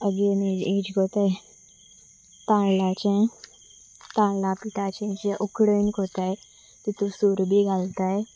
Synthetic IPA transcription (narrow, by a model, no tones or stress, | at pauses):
əɡeːned͡ʒeːd͡ʒkoːt̪aɛ | t̪ãːlaːt͡ʃẽ | t̪ãːlaːpɪʈaːt͡ʃẽt͡ʃeʔʊkɽənkoːt̪aːɦɛ | t̪it̪usuɾbʱiːɡalt̪aːɦɛː